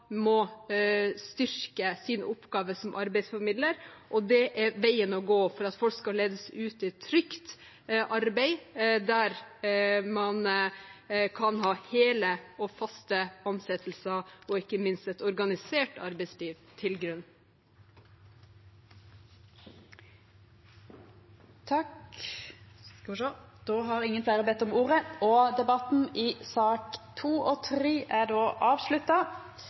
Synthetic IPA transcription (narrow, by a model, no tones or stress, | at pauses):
mɔ | st̪ʏɾkəsinʊpɡɑːʋəsɔmʔɑɾbɛɪsfɔɾmɪd̪ləɾʔɔd̪ɛʔæʋæɪənɔɡoːfɔɾɑt̪fɔlkskɑleːd̪əsʉːt̪ɪt̪ʰːɾʏkt̪ | ʔɑɾbɛɪd̪æɾ | mɑn | kʰɑnɦɑːheːləɔfɑst̪əɔmsɛt̪ʰəl̩sɑɔɪkːəmɪnst̪ɛt̪ɔɾɡɑnɪseːʈɑ̰ɾbɛɪsliːʋt̪ʰɪlɡɾʉnː | t̪ʰɑk | d̪̥oːɦɑɾɪŋənflæɪɾəbɛt̪ːɔmuːɾəɔd̪ɛbɑt̪n̩ɪsɑːkt̪ʰuːʔɔt̪ʰɾiːʔæɖoːʔɑːʋʂlʉt̪ɑ